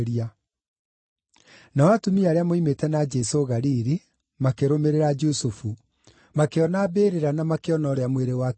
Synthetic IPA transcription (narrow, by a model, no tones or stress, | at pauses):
ɾia | nawatomiaɾeamoimetɛnad͡ʒɛsoɣaɾiɾi | makeɾomeɾeɾad͡ʒosufu | makeɔnabeːɾeɾanamakeɔnɔːɾeamweɾewa